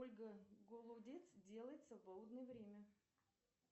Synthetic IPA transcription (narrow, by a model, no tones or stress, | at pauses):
olʲɡəɡolˠudʲet̪sdʲe̞lˠəjɪt̪səvbolˠd̪nəjəvɾʲemʲə